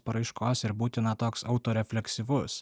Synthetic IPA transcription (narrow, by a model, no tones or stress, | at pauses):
pɐɾɐɪʃkoːsɪɾbuːt̪ʲɪnɐt̪oːksɐʊt̪oːɾʲɛfʲlʲɛksʲiʋʊs